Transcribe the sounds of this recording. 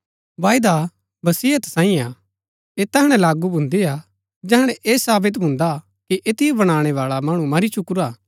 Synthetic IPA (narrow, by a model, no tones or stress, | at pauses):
ʋaːjid̪a | bɐsiːət̪sãːĩa | eːt̪ɛɦəɽ̃ɛ̃laːɡubʱʊ̃nd̪ia | d͡ʒɛɦɽ̃ɛʔeːsaːbɪt̪̬bʱʊ̃ːnd̪a | kiʔet̪ɪjobɐɽ̃aːɽ̃ɛʋaːɭamɐɽ̃ũmɐɾit͡ʃʊkʊɾaː